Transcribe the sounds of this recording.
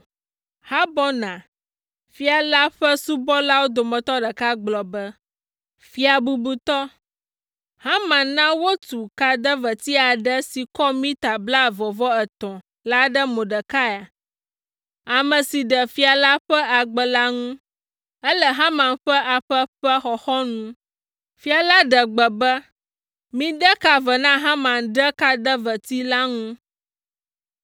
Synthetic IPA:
ha˦bɔ˦nã˨ | fi˦a˨la˦ɸə˦su˦bɔ˦la˦wo˦d̪o˨mə̃˨t̪ɔ˦ɖə˨ka˦ɡ͡blɔ˨bə˦ | fi˨˦a˨bu˨bu˨t̪ɔ˦ | hã˦mã˨nã˦wo˦t̪u˨ka˨d̪ə˦və˨t̪i˦a˨ɖə˦si˨kɔ˦mĩ˦t̪a˨bla˦˨vɔ˨vɔ˦ɛ˨t̪ɔ̃˨ | la˦ɖə˦mõ˨ɖə˨ka˦ja˨ | a˨mə̃˨si˨ɖə˨fi˦a˨la˦ɸə˦a˨ɡ͡bə˨la˦ŋũ˦ | ə˦lə˦ɦã˦mã˨nɸə˦ʔa˨ɸə˦ɸə˦xɔ˨xɔ˦nũ˦ | fi˦a˨la˦ɖə˨ɡ͡bə˨bə˦ | mĩ˦ɖə˦ka˨və˨nã˦ɦã˦mã˨nɖə˦ka˨d̪ə˦və˨t̪i˦la˦ŋũ˦

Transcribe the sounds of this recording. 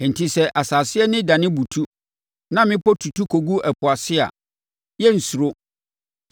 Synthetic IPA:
n̩˨tʰi˦sɛ˦ʔa˨saː˨sɪ˦ɛ˦nɪ̃˦dã˨nɪ̃˦bu˨tʰu˦ | nã˦mɪ̃˦pɔ˦tʰu˨tʰu˦kʰo˨ɡu˦æ˨pʰʊ˨a˨sɪ˦a̰˨ | jɛ˦n̩˨su˨ɾo˦

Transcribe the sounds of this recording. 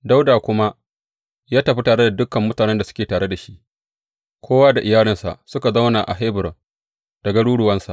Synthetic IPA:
da˦wdaː˨kʷʊ˦ma˦ʔ | jaː˦tɐ˨ɸi˦taː˨ɽe˦da˨dʊ˦kːɐ˨mːʊ˦taː˨nɛ˦nda˨sʊ̥˦kʲeː˨taː˨ɽe˦da˨ʃi˦ʔ | kʷʰoː˦waː˦da˨ʔɪ˨jaː˦lɪ˦nsa̰˨ʔsʊ˦ka˨za˦wna˨ʔa̰˨ɦa˦bɪ˨ɾ | d̥ɐ˨ɡa˦ɽuː˦ɽʊ˨wɐ˦nsa̰˨ʔ

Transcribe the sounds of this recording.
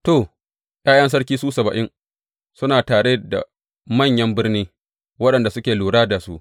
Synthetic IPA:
toː˨ | j̰aː˦jɐ˦ns̬ɐ˦ɽkʲiː˦suː˦sɐ˨bɐ˨ʔɪ˦ŋ | sʊ˦naː˨taː˨ɽe˦˨da̰˨ | mɐ˦˨ɲjɐ˦mbɪ˦rniː˦ | wɐ˦ɗɐ˨nda˨sʊ˦kʲeː˨luː˨ɽaː˦da˨su˦ʔ

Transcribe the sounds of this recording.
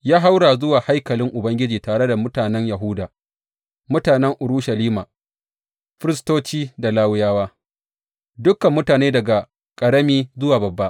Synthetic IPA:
jaː˦ɦa˦wɽaː˨zʊ˦waː˨ha˦jkɐ˨lɪ˦ŋʔʊ˨bɐ˦ŋɡʲɪ˦d͡ʒiː˨taː˨ɽe˦da˨mʊ˦taː˨nɛ˦ɲjɐ˨ɦʊ˦daː˨ | mʊ˦taː˨nɛ˦ŋʔʊ˨ɾuː˦ʃɐ˨liː˦maː˨ | ɸɪ˦ɾɪ˦stoː˦t͡ʃiː˦da˨laː˦wjaː˦waː˦ | dʊ˦kɐ˨mːʊ˦taː˨neː˦dɐ˨ɡa˨ | kʼɐ˨ɽɐ˦miː˦zʊ˦waː˨bɐ˨bːa˦ʔ

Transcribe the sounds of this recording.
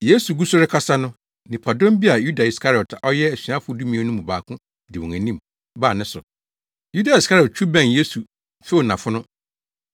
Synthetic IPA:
je˦su˨ɡu˦sʊ˦ɾɪ˦kʰa˦sa˦nʊ̃˦ | nɪ̃˨pʰa˨dɔ̃˦mbi˦a˨ju˦da˨i˨skʰa˦ɾɪ˨ɔ˨tʰa˨ʔɔ˦jɛ˦æ˨si˨˦ã˦fʊ˦du˦mĩ˨˦a˦nʊ̃˦mũ˨baː˨kʰʊ̃˦ | dɪ˨wɔ̃˨ŋæ˨nĩ˦m | baː˦˨nɪ̃˦sʊ˨ | ju˦da˨i˨ska˦ɾɪ˨ɔ˨t̚t͡ɕʰu˦bɛ̃˦nje˦su˨ | fe˦˨nã˨fʊ˦nʊ̃˦

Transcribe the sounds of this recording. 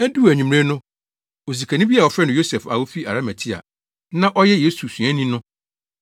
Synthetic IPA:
æ˦du˦˨æ˨ɲᶣĩ˨m˨ɾe˦nʊ̃˦ | o˨z̬i˨kʰæ̃˨nɪ̃˦bi˦a˨ɔ˨fɾɛ˦nʊ̃˨jo˦sɛ˨fa˨wo˦fi˦ʔa˨ɾa˦mæ˨tʰi˦a̰˨ | nã˦ʔɔ˦jɛ˦jeː˨˦su˨sũ˨æ̃˦nĩ˦nʊ̃˦

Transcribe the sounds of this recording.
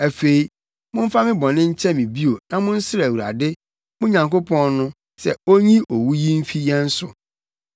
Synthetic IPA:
æ˨fe˨i˦ | mʊ̃˦m̩˦fa˦mɪ̃˦bɔ̃˨nɪ̃˦ɲ̩˦t͡ɕʰɛ˦mĩ˨bi˦o˨nã˨mʊ̃˦n̩˦sɪ˦ɾɛ˨wu˨ɾa̰˨dɪ˦ | mʊ̃˦ɲã˨ŋko˦pʰɔ̃˦nːʊ̃˦ | sɛ̰˨o˦ɲĩ˦ʔo˨wu˦ji˦m̩˦fi˦jɛ˦n̩˦sʊ̰˨

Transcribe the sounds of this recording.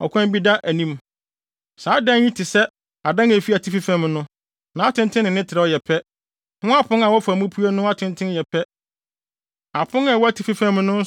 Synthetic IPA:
ɔ˨kʰʷã˦m˦bi˦da˦ʔæ˨nĩ˦m | saː˨˦dã˦ɲĩ˦tʰɪ˨sɛ˦ | a˨dã˦ŋæ˨fi˦æ˨tʰi˦fi˦fæ̃˦mnʊ̃˦ | nã˨a˦tʰɪ̃˦ntʰɪ̃˦nːɪ̃˨nɪ̃˦tʰɪ˨ɾɛ˨ɔ˨jɛ˨pʰɛ˦ | nʊ̃˦a˦pʰʊ̃˦ŋa˨wɔ˦fa˨mũ˦pʰu˦a˦nʊ̃˦a˦tʰɪ̃˦ntʰɪ̃˦n˦jɛ˨pʰɛ˦ | a˨pʰʊ̃˦ŋa˨wɔ˦æ˦tʰi˨fi˦fã˦mnʊ̃˦n˦

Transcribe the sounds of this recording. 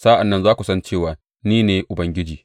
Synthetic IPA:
saː˦ʔa˨nːɐ˦nzaː˦kʷu˨sɐ˦nt͡ʃeː˦˨waː˨ | niː˦neː˨˦ʔʊ˨bɐ˦ŋɡʲɪ˦d͡ʒiː˨

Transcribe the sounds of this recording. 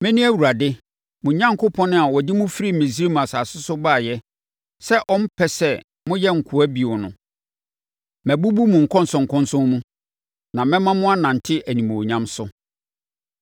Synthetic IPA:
mɪ̃˦nĩ˦æ˦wu˨a˨dɪ˦ | mʊ̃˨ɲã˦ŋkʰʊ˦pʰɔ̃˦nʊ̃˦a˨wɔ˨dɪ˦mʊ̃˦fi˦ɾi˦mɪ̃˨s̬ɾe˦mũ˨a˨saː˨sʊ˦sʊ˦baː˦˨jɛ˦ | sɛ˦ʔɔ̃˦m̩˦pʰɛ˦sɛ˦ | mʊ̃˦jɛ˦ŋ̩˨kʰʊ˨æ˦bi˨ɔ˨nʊ̰̃˨ | mæ̃˨bu˦bu˦mʊ̃˨ŋ̩˨kʰɔ̃˦n̩˦sʊ̃˨ŋ̩˨kʰʊ̃˦nsʊ̃˦nmũ˦ | nã˨mɛ̃˦mã˦mʊ̃˦a˦nã˨n̩˨tʰɪ˦ʔæ˨nĩ˨m̃˨ɔ˨ɲã˦msʊ˦

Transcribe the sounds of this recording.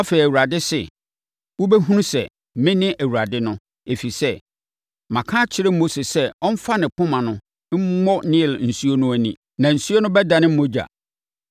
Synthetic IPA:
a˦fe˨i˨æ˨u˨ɾa˨dɪ˦sɪ̰˨ | wo˦be˦ɦũ˦nũ˦sɛ̰˨ | mɪ̃˦nɪ̃˦ʔæ˨wu˨ɾa˨dɪ˦nʊ̃˦ | e˨fi˨sɛ˦ | mã˨kʰã˦t͡ɕʰɪ˦ɾɪ˦mo˦se˨sɛ˦ɔ̃˦m̩˦fa˦nɪ̃˨pʰʊ̃˦mã˨nʊ̃˦ | m̩˦mɔ˦nɪ̃˦˨ln̩˨su˦o˦nʊ̃˦æ˦nĩ˦ | nã˨n̩˨su˦o˦nʊ̃˦bɛ˦da˨nɪ̃˦m̩˦mõ˦d͡ʑa̰˨

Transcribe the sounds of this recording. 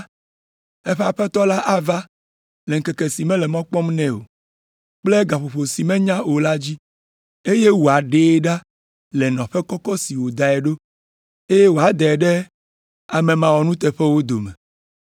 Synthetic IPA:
ɛ˦ɸɛ˦a˨ɸɛ˦t̪ɔ˦la˦ʔa˦va˦ | lɛ˨ŋ̩˦kɛ˨ke˨si˨mɛ̃˦lɛ˨mɔ̃˦k͡pɔ˦mnɛ̃˦o̰˨ | k͡plɛ˦ɡa˨ɸo˨ɸo˨si˨mɛ̃˦ɲã˦o˨la˦d͡ʑi˦ | e˦je˦wo˨a˨ɖe˦ɖa˦ | lɛ˨nɔ̃˨ɸɛ˦kɔ˦kɔ˦si˨wo˨d̪a˨ɛ˨ɖo˦ | e˦je˦wo˨a˨d̪ɛ˨ɖɛ˦ | a˨mɛ̃˨mã˨wɔ˨nũ˦t̪ɛ˨ɸɛ˦wo˦d̪o˨mɛ̰̃˨

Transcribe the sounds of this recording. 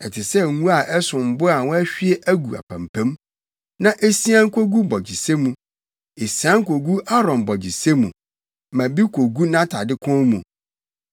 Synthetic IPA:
ɛ˨tʰɪ˨sɛ˦˨ŋũ˦a˨ʔɛ˦sʊ̃˨m̩˨bʊ˦a˨wɔ̃˦æ˦ɕᶣi˦e˦ʔæ˦ɡu˨a̰˨pʰã̰˨m˨pʰæ̃˦m | nã˦ʔe˦si˦ã˦ŋ̩˦kʰʷo˦ɡu˦bɔ˨d͡ʑi˨se˦mũ˨ | e˨si˨ã˦ŋ˦kʰo˨ɡu˦ʔa˦ɾɔ̃˨mbɔ˨d͡ʑi˨se˦mũ˨ | mã˨bi˦kʰʷo˨ɡu˦nã˦tʰa˨dɪ˦kʰɔ̃˦mũ˨

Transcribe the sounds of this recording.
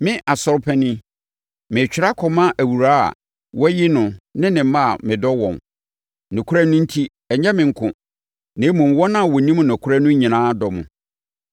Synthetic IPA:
mɪ̃˦ʔa˨sɔ˦ɾpʰɛ˦nɪ̃˦ | mɪ̃˨t͡ɕᶣɪ˨ɾa˦kʰɔ˨mã˦ʔæ˨wu˨ɾaː˦a̰˨ | wɔ˦jɪ˦nʊ̃˨nɪ̃˦nɪ̃˨˦mã˦˨mɪ̃˨dɔ˦wɔ̰̃˨m | nʊ̃˨kʰʊ˦ɾa˦nʊ̃˦n̩˦tʰi˦ | ɛ˨ɲɛ˦mɪ̃˨ŋ̩˦kʰʊ̃˨ | nẽ˨˦mũ˨m˨wɔ˦nã˦˨wɔ˨nĩ˦m˨nɔ̃˨kʰʊ˦ɾa˦nʊ̃˦ɲĩ˨nãː˦dɔ˨mʊ̰̃˨

